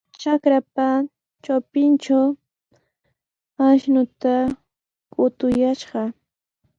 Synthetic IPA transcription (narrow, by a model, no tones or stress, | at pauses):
t͡ʃakɾap̚a | t͡ʃawpɪnt͡ʃaw | aʃnʊt̪a | kʊt̪ʊjaʃɢɑ